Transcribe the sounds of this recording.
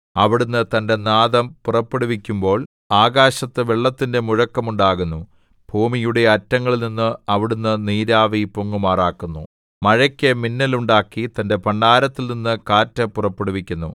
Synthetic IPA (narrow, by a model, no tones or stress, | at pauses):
ɐʋiɽunːɨt̪ɐnde̞naːðɐmpurɐpːeɽuʋikʲːumbo̞ːɭ | aːɣaːɕɐt̪ːɨʋeɭːɐt̪ːinde̞muɻɐkːɐmuɳɖaːɣunːu | b̥ʱuːmijuɽe̞ɐtːɐŋːɐɭninːɨɐʋiɽunːɨniːɾaːʋipoŋːumaːraːkːunːu | mɐɻɐkʲːeminːɐluɳɖaːkːit̪ɐnde̞pɐɳɖaːɾɐt̪ːilninːɨkaːtːɐpurɐpːeɽuʋikʲːunːṵ